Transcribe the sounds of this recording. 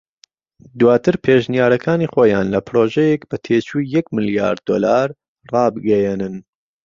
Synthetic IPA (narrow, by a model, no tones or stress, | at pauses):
d̪waːt̪ʰɨɾpʰeːʒnijaːɾɐkʰaːniχoːjaːnlɐpʰɾoʒɛjɛkbɐt̪ʰeːt͡ʃʰujɛkmɨlja̰ːɾd̪o̰ːlaːɾ | rɑːbɨɡɛjenɨn